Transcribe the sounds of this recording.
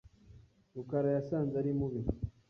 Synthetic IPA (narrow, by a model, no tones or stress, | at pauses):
ɾukaɾajasaːnzaɾimuβi